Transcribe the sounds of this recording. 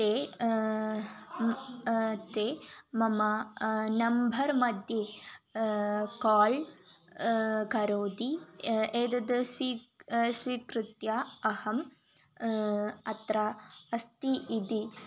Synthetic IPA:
t̪eː | t̪eːmɐmɐnɐmbʱɐɾmɐd̪ʱjeː | kaːl | kɐɾoːd̪ieːd̪ɐd̪ɐsʋiːsʋiːkɾut̪jaɐhɐm | ɐt̪ɾaɐst̪iʔːd̪i

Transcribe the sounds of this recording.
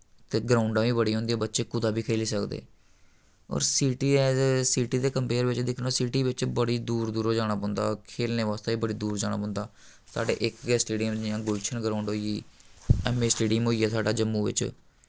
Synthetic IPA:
t̪eːɡɾaːʊɳɖãːʋiːbəɽiːɦõːnd̪ijɛ̃ːbətːʃeːkʊd̪aːbiːkʰeːliːsəkd̪ḛː | ɔ̰ːɾsiːʈiɛsiːʈiːd̪eːkəmpeːɾʋɪt͡ʃd̪ɪkʰnãːsiːʈiːʋɪt͡ʃbəɽiːd̪uːɾd̪uːɾoːd͡ʒaːɽ̃aːbõːnd̪a̰ːkʰeːlneːʋaːst̪aːiːbəɽiːd̪uːɾd͡ʒaːɽ̃aːbõːnd̪aː | sa̰ːɖḛːʔɪkɛːsʈeːɖiənd͡ʒɪjãːɡʊlt͡ʃʰənɡɾaːʊɳɖɦoːiiːɛːmeːsʈeːɖimɦoːiːɛːsaːɖaːd͡ʒəmːũːʋɪ̰t͡ʃ

